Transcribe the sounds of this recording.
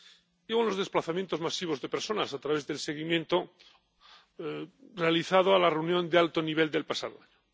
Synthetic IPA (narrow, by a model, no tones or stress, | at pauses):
eonlo̞zðe̞splaθamjent̪o̞zmasiβ̞o̞zðe̞peɾso̞nasat̪ɾaβe̞zðe̞lse̞ɣ̞imjẽ̞nt̪o | realiθað̞oalareuwnjo̞nd̪ealt̪o̞niβ̞e̞ld̪e̞lpasaðoaɲo